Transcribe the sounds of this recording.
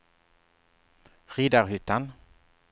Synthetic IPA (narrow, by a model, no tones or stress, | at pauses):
ʁiːd̪aɾɦʏːt̪an